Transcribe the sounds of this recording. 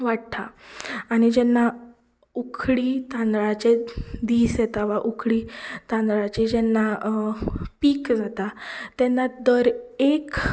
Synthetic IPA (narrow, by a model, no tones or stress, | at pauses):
ʋaʈt̪ʰaː | ɽid͡ʑɛnːa | ukʰɽit̪ãnd̪ɾat͡ɕed̪iːsjɛt̪aʋaʔukʰɽit̪ãnd̪ɾãt͡ɕed͡ʑɛnːa | piːkd͡zat̪at̪ɛnːat̪d̪əɾek